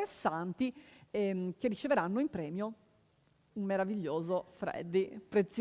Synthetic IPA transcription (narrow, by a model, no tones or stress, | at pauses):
esːant̪iɛk̟erːit͡ʃeveɾanːoimpɾɛːmjo | umːeɾaviʎːoːzofɾɛ̰d̪ːipɾet̪s